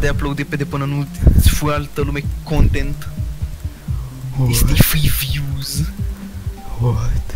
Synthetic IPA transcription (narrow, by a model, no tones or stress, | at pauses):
d̪eaplɐwd̪iped̪eponɐnusfualt̪ɐlumekːõnt̪ẽnt̪ | sfiviwz | at̪